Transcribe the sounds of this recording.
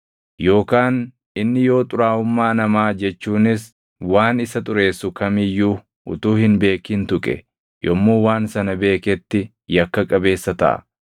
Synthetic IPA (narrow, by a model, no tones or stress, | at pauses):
jo̞ːkaːn | ɪnːɪjo̞ːt̪ʼʊɾaːʊmːaːnɐmaːd͡ʒɛt͡ʃːuːnɪs | waːnɪsɐt̪ʼʊɾe̞ːsːʊkɐmɪjuː | ʔʊ̰t̪uːhɪnbe̞ːkɪnt̪ʊkʼɛ̰ | jɔmːuːwaːnsɐnɐbe̞ːkɛt̪ːɪ | jɐkːɐkʼɐbe̞ːsːɐt̪ɐ̰ʔɐ̰